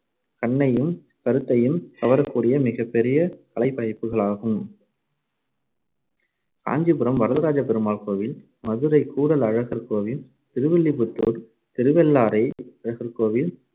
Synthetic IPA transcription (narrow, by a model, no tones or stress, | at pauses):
kɐɳːɐjɯm | kɐɾɯt̪ːɐjɯmk̪ɐʋɐɾɐkːuːɽɪjɐmɪɣɐpːɛɾɪjɐkɐlɐɪpːɐjɐɪpːɯɣɐɭaːɣɯm | ka̰ːɲd͡ʒipɯɾɐmʋɐɾɐðɐɾaːd͡ʒɐpɛɾɯmaːɭkoːʋɪl | mɐðɯɾɐɪkːuːɽɐlɐɻɐɣɐɾkoːʋɪl | t̪ɪɾɯʋɛlːipʊt̪ːṵɾ | t̪ɪɾɯʋɛlːaːɾɐɪɐɻɐɣɐɾkoːʋɪl